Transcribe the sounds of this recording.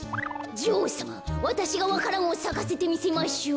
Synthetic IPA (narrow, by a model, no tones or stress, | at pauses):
d͡ʑiosamaβat̪aɕiɡaβakaɾamosaɡase̞t̪e̞mʲise̞maɕo